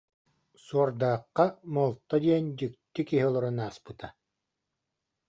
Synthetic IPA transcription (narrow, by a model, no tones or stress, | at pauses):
suɔɾd̪aːqːamɔlˠt̪ːɔd̪iɛnd͡ʑykt̪ːikiɦiɔlˠɔɾunaːspɯt̪a